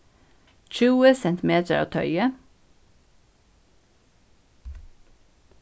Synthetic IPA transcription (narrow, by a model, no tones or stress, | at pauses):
c͡çʉːəsɛnt̪ɪmeːt̪ʰəɾɑ̰ʋt̪ʰœʏə